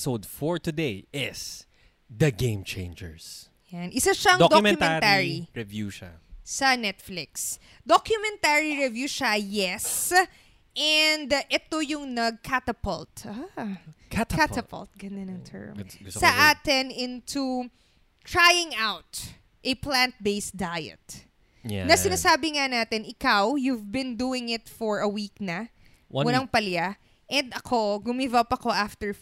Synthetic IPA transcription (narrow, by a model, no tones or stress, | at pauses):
sod̪fɔɹt̪ʊd̪ejɪs | d̪ɐɡẽɪ̃mt͡ʃḛ̃ɪ̃nd͡ʒɛ̰ɹs | janʔɪsaʃɐŋdod̪omɛmɛnɾaɹiɹɛvjuʃa̰ːɐnɛt̪̚flɪks | d̪okjʊmɛnt̪aɹiɹɛvjuːʃajɛs | ʔɛnd̪ʔɛt̪ojʊŋnɐɡ̚kʰat̪ɐpɔlt̪a | kat̪ɐpɐ̰lt̪̚ɡɐnd̪ɐnɐŋt̪ʰɛ̰ɹmsɐʔaːt̪ɪnʔɪ̃nt̪u | t̪ɹajɪ̃ŋawt̪ | ʔɐplãnt̪̚bejsd̪ajɛ̰t̪̚ | nɐsɪnasaːbɪŋanaːt̪ɪnʔɪkawjuvbɪ̃nd̪uːɪŋɪt̪fɔɹɐwiːk̚nɐ | mʊlaŋpɐlja | ʔɛnd̪ɐkʰo̞ɡʊmivɐpɐko̞ʔaft̪ɛɹ